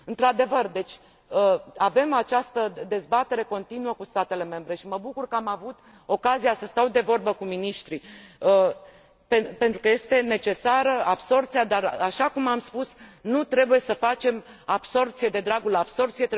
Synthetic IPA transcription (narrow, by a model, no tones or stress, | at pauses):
ɨnt̪ɾad̪e̞vərd̪e̞t͡ʃʲ | əave̞mat͡ʃast̪əd̪e̞zbat̪e̞ɾe̞ko̞nt̪inuəkust̪at̪e̞le̞me̞mbɾe̞ʃiməbukurkəamavut̪ | o̞kazijasəst̪awd̪e̞vo̞rbəkuminiʃt̪ɾiə | pepe̞nt̪ɾukəje̞st̪e̞ne̞t͡ʃe̞saɾəabso̞rpt̪sijad̪araʃakumamspusnut̪ɾe̞buje̞səfat͡ʃe̞m | ab̥so̞rp̚t̪sije̞d̪e̞d̪ɾaɡulab̥so̞rpt̪sijet̪ɾ